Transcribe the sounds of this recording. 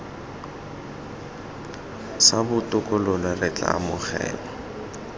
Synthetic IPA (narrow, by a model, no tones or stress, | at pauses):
sabʊtʼʊkʼʊlʊlarɛt͡ɬʼa̰ːmʊk͡xɛ̰ːbɔ